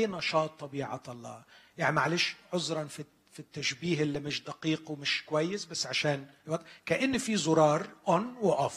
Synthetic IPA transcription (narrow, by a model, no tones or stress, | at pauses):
inɑʃɑːt̪ˤːɑbiːʕɑ̰t̪ɑlˤːɑ̰ːjaʕnimaʕleːʃʕʊzɾˤɑnfi | fit̪ːaʃbiːɦʔɪlːimɪʃd̪aqiːqwmɪʃkwajːɪsbasːʕaʃaːnwat̪kaʔɪnːfizʊɾˤɑːɾˤʔʊnwɪʔʊf